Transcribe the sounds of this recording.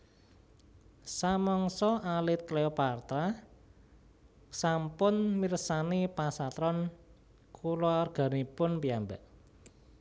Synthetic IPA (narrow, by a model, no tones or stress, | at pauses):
samɔŋsɔʔalɪt̪̚kleopart̪ɾa | sampʊnmirsanipasat̪ɾɔn | kʰulɔrɡ̥a̤nipʊnpiambaʔ